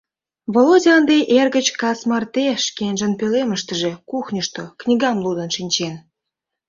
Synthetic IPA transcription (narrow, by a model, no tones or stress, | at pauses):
βolodʲɑnd̪ejʔerɣə̆t͡ɕkɑsmɑrt̪eʃkenʲʒə̆npeleməʃt̪ə̆ʒe̽kuxnʲəʃt̪oknʲiɡɑmlud̪ə̆nʃinʲt͡ɕen